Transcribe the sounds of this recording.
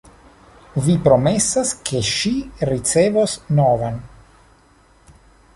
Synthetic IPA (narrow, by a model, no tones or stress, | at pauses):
vipɾo̞me̞saskʰe̞ʃiɾit͡se̞vosnovan